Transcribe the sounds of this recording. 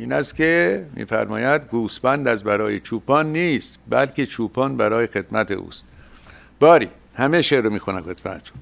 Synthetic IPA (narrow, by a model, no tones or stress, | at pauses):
ʔiːnæst̪kʲemḭːfæ̰ɾmɒ̰ːjæd̪ɡuːsbænd̪æzbæɾɒːjet͡ʃʰuːpʰɒːnːiːst̪bælkʰet͡ʃʰuːpʰɒːnbæɾɒːjexe̞d̪mæt̪ʰḛʔṵːst̪ | b̥ɒːɾiː | hæmeʃeːɾomiːxunæxet̪mæ̰t̪ʃu̥